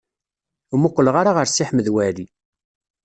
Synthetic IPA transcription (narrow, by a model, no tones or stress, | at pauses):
mʊqːləʁaɾaʁəɾsiħməðwæɾi